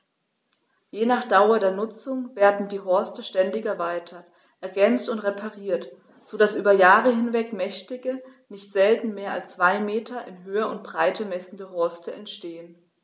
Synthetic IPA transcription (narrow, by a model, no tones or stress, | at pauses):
jeːnaːχd̥aʊɐdeːɐnʊt͡sʊŋveːɐdn̩diːɦɔɐstəʃtɛndɪçɛɐvaɪtʰɐt | ʔɛɐɡɛnt͡stʊntʁepʰaʁiːɐt | z̥oːdasʔyːbɐjaːʁəɦɪnvɛkmɛçtɪɡənɪçtz̥ɛltn̩meːɐalst͡sv̥aɪmeːtʰɐʔɪnɦøːəʊnt̚b̥ʁaɪtʰəmɛsn̩dəɦɔɐstəɛntʃteːən